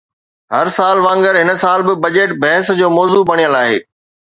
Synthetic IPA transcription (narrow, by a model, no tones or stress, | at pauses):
ɦɐɾsaːlʋãːŋɡəɾɦɪnəsaːlbɪbɐd͡ʑeːʈbɛɦɪsd͡ʑoːmɔːzubɐɽ̃ijəlaːɦḛː